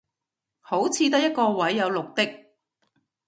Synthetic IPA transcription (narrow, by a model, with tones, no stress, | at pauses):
ho˨˥wt͡sʰiː˨˧t̪̬ɐ˥jɐ˥t̚kɔː˧wɐ˨˥jːɐ˨˧wlʊ˨k̚t̪ɪ˥k̚